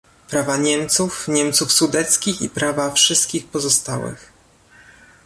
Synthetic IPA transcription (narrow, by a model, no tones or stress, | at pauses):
pɾavaɲɛmt̪sufɲɛmt̪sufsud̪ɛt̪skʲixḭpɾavafʂɘst̪kʲixpɔzɔst̪a̰wɘ̰x